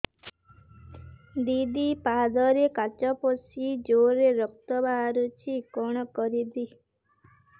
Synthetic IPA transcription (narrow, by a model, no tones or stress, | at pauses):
d̪id̪ipad̪ɔɾekat͡ʃɔpɔsid͡ʒoɾeɾɔk̚t̪ɔbaɾut͡ʃʰikɔɽ̃ɔkɔɾid̪i